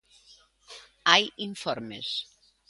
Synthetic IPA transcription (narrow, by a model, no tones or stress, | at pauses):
ajiɱfɔɾmḛs